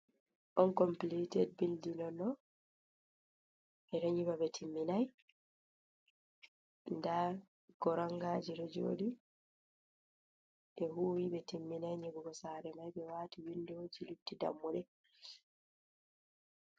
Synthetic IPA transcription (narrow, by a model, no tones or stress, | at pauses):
ʔɔnkɔmplitɛd̚bildinɔnɔ | ʔɛɾoɲibabɛtʰimːinaj | nda | ɡ̥ɔɾaŋɡaːd͡ʒiɾɔd͡ʒo̰di | ɗɛɦuːwibɛtimːinajɲebuɡɔsaːɾɛmajbɛwaːtiwindɛwod͡ʒilubtida̰mːuɗɛ